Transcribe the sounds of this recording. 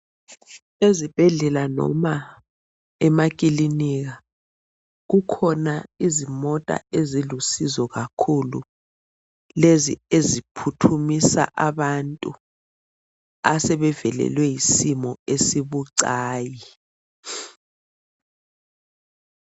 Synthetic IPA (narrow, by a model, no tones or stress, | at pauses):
ezib̥ʱɛɮɛlanɔ̰ma | ɛmakʼiliniɣa | ɣukʰɔnaizimɔtʼa̰ezilusizɔɣakʰulṵ | lezḭezipʰutʰumisa̰ʔaβantʼu | a̰sɛβɛvɛlɛ̰lwɛjisimɔesiβuǀaːji